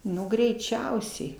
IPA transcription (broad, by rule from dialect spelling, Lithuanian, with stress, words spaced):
ˈnʊ ɡrʲɛɪˈt͡ʃʲɛʊsʲɛɪ